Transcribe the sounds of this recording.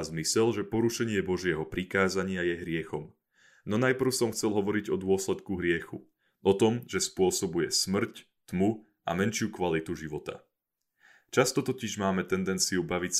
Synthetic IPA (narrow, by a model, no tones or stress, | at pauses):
zmisɛlʒɛpɔɾuʃɛɲɪɛbɔʒɪɛɦɔpɾikaːzaɲɪajɛɦɾɪɛxɔm | nɔnajpr̩ʊsɔmxt͡sɛlɦɔʋɔɾiɟɔd̪ʊɔslɛt̪kuɦɾɪɛxu | ʔɔt̪ɔmʒɛspʊɔsɔbujɛsmr̩c | t̪mu | a̰mɛnʃɪukʋalit̪uʒiʋɔt̪a̰ | t͡ʃast̪ɔt̪ɔciʒmaːmɛt̪ɛnd̪ɛnt͡siubaʋics